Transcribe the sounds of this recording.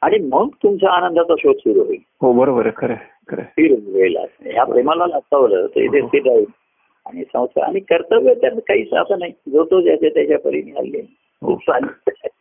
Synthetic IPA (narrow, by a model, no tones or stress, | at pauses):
aɽ̃im̤əɡ̚t̪umt͡ɕaːnənd̪ʱat͡saɕod̪suɾuɦoi | ɦobəɾobəɾəkʰəɾe | kʰəɾḛfiɾuʋela̰sjappɾemalalaɡ̚t̪aʋlə̰ːt̪ə̰ɾḭt̪ʰesiɖɾain | aɽ̃isə̃w̃sa̰a̰ɽ̃ikəɾt̪əbət̪janakaɦiːsa̰sanaɦid͡zot̪od͡ʑjat͡ɕat̪jat͡ɕjapə̰ɾinia̰lːe | ɦḭt̪sanit